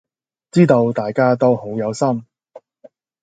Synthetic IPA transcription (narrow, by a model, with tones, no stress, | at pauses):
t͡siː˥t̪o˧wt̪aː˨jkaː˥t̪̬o˥who˨˥wjɐ˨˧wsɐ˥m